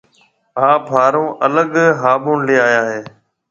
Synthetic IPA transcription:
ɦaːbʱaːɾõːʔələɠɦaːbõːnleːaːjaːɦeː

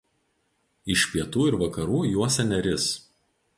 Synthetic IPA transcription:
ɪʃʲpʲiɛt̪uːɪɾʋɐkɐɾuːjuɔsʲɛnʲɛɾʲɪs

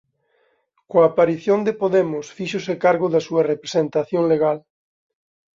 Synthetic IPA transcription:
koaːpaɾiθjond̪epoðemʊsfiʃosekaɾɣoðasuɐrepɾesent̪aθjoŋleɣ̞al

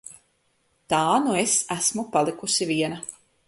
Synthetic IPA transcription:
t̪aːnuesæsmupalˠikusiviɛnɐ

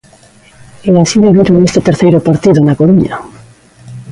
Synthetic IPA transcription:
easiðeβiɾoŋest̪et̪eɾθejɾʊpaɾt̪iðʊnakoɾuɲa

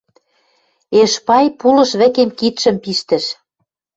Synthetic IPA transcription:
eʃpɑjpulɤ̆ʃβɘ̆kemkit̪ʃə̆mpiʃt̪ə̆ʃ

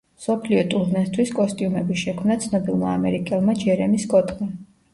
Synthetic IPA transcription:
msɔpʰliɔt̪ʼuɾnɛst̪ʰwiskʼɔst̪ʼiumɛbiʃɛkʰmnat̪sʰnɔbilˠma̰amɛɾikʼɛlˠmad͡ʒɛɾɛmiskʼɔt̪ʼqʼi

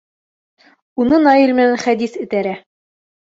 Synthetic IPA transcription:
unɤnɑjilʲmɘ̆nænχæd̪isɘ̆t̪æɾæ

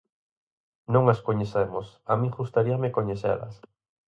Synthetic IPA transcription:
nõŋaskoɲeθemosamĩxust̪aɾiamekoɲeθɛ̰lɐ̰s

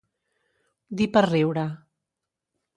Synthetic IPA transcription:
d̪ipərɛwɾa

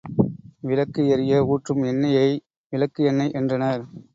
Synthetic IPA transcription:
ʋɪlɐkːɯjɐɾɪjɐuːʈrɯmɛnːɐjɐɪ | ʋɪlɐkːɯjɛnːɐɪʔɛndrɐnɐɾ

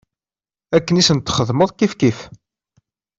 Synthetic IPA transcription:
ækːənisənt̪ːχəðməðˤkifkif

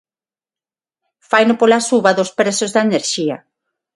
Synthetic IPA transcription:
fajnʊpolasuβaðospɾesozðaeneɾʃia̰

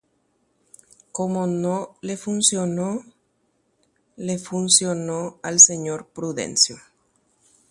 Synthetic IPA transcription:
komonolefunsjono | lefunsjonoalseɲoɾpɾuðḛnsjo

